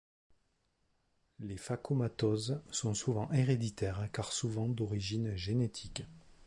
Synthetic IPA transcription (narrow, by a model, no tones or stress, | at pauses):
lefakomat̪ɔzsɔ̃suvɑ̃ʔeʁed̪it̪ɛʁkaʁsuvɑ̃d̪ɔʁiʒinʒenet̪ʰik